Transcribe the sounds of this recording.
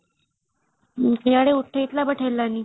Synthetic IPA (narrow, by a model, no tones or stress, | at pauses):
kjaɽeuʈʰːeit̪labəʈʰelːanːiː